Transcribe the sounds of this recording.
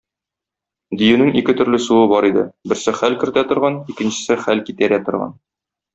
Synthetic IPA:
d̪ɵ̆jɘnɘŋikɘt̪ɵ̆ɾlɘsuɤbɒɾid̪ɘ̰bɘ̆ɾsɘχælkɘ̆ɾt̪æt̪ŏɾʁɑnikɘ̆nɕɘ̥̆sɘχælkit̪æɾæt̪ŏɾʁɑ̰n

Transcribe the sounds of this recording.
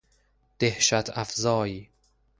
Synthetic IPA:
d̪̥ehʃæt̪ʰæfzɒːjiː

